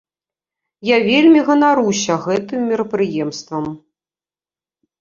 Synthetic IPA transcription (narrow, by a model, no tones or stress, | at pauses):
javʲelʲmʲiɣɐnaɾusʲɐɣɛt̪ɨmːʲiɾɐpɾɨjɛmst̪vɐm